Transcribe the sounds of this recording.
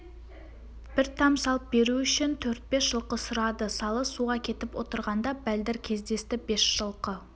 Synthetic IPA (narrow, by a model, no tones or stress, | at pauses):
b̥ɪɾt̪ʰɑmsɑlˠəp̚be̞ɾuʏʃɪnt̪ʰɵɾt̪̚be̞sʒ̥əlˠqəsʊɾɑd̪əsɑlˠəsuʁɑkʲʰe̞t̪ɪpwo̞t̪əɾʁɑnd̪ɑbæld̪ɪɾkʲʰe̞zd̪e̞st̪ɪbe̞sʒ̥əlˠqə